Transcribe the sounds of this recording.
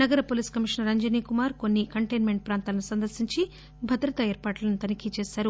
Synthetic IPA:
nɐɡɐɾɐpoːliːskɐmiʂnɐɾɐɲd͡ʒɐniːkumaːɾko̞nːikɐɳʈejnmeɳʈ̚pɾaːnt̪aːlɐnusɐnd̪ɐɾsiɲt͡ʃi | bʱɐd̪ɾɐt̪ɐɛːɾpaːʈlɐnut̪ɐnikit͡ʃeːsaːɾu

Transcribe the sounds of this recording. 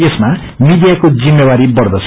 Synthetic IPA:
esma | mid̪ijakod͡zimːjewaɾibʌrd̪ʌt͡sʰ

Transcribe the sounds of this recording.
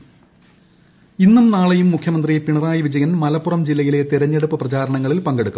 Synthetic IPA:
inːumnaːɭejumːukʰjɐmɐnd̪rijepiɳɐraːjiʋid͡ʑɐjɐnmɐlɐpːurɐmd͡ʑilːɐjile̞t̪iɾɐɲːeɽupːɨprɐt͡ɕaːɾɐɳɐŋːɐɭilpɐŋɡeɽukːu

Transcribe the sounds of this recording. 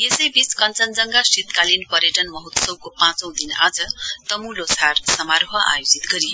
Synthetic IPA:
jesʌjbiskʌnt͡sʌnd͡zʌŋɡasit̪kalinpʌɾjeʈʌnmʌɦut̪sʌwkopãt͡sʌ̃w̃d̪ina̰d͡zʌt̪ʌmulosʰarsʌmaɾɦʌʔa̰jod͡zit̪ɡʌɾi

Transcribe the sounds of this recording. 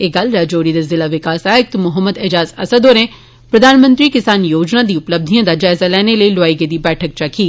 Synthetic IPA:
eːɡaːlɾaːd͡ʒoːɾid̪ezɪlaʋɪkaːsaːɪk̚t̪mʊɦəmːəd̪ed͡ʒaːzɐsəd̪oːne | pɾɐd̪ʱaːnmə̃nt̪ɾikɪsaːnjoːd͡ʒnad̪iʊpləb̚d̪ʱijãd̪ad͡ʒaːɪzalɛːneləiloaːiɡed̪ibɛːʈʰək̚t͡ʃakʰiː

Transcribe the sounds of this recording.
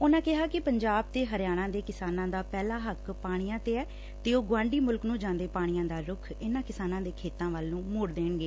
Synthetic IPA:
ʊnãːkɪɦaːkɪpəɲd͡ʒaːb̚t̪eːɦəɾɪjaːɽ̃ãːd̪eːkɪsaːnãːd̪aːpɛːlaːɦəkpaːɽ̃ijãːt̪eːɛː | t̪eːoːɡwãːɳɖiːmʊlknũːd͡ʒãːnd̪eːpaːɽ̃ɪjãːd̪aːɾʊkʰɪnãːkɪsaːnãːd̪eːkʰeːt̪ãːʋaːlːũːmʊːɽd̪eːɳɡeː

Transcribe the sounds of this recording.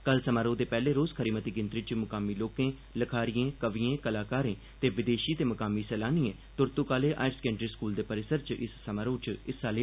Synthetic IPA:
kəlsəmaːɾõːd̪eːpɛːleːɾoːzkʰəɾiːmət̪iːɡɪnt̪ɾɪt͡ʃmʊkaːmiːloːkẽː | ləkʰaːɾijẽːkəʋiẽːkəlaːkaːɾẽː | t̪eːʋɪd̪eːʃiːt̪eːməkaːmiːsɛːlaːniːẽː | t̪ʊɾt̪ukaːleːʔa̰ːɪɾskɛ̃ːɳʈɾiːskuːld̪eːpəɾɪsəɾt͡ʃʔɪsːəmaːɾõːt͡ʃɪsaːleː

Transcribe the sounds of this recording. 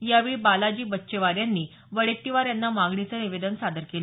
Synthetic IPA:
jaʋibalad͡ʑiːbətːɕeʋaɾjanːiː | ʋəɭek̚ʈ̪iʋaɾjanːamãɡɳit͡səːniʋed̪ənsad̪əɾkel

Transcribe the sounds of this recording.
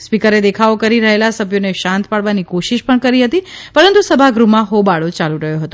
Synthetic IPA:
spikəɾed̪ekʰaokəɾiɾəɦelasəbʱjoneʃãnt̪paɽʋanikoʃiʃpəɳkəɾiɦət̪ipəɾənt̪usəbʱaɡɾumãɦobaɭot͡ʃaluɾəɦjoɦət̪o

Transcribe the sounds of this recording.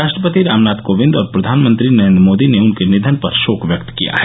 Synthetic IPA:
aːʃʈɾəpət̪iɾaːmnaːt̪koːʋɪ̃nd̪ɔːɾpɾɐd̪ʱaːnmə̃nt̪ɾinɐɾẽnd̪ɾmoːd̪ineʊnkenɪd̪ʱənpɐɾʃoːkʋjɐkt̪kija̰ɦɛ

